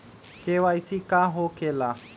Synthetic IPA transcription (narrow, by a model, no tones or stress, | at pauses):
keʋaisikaːɦoːkelaː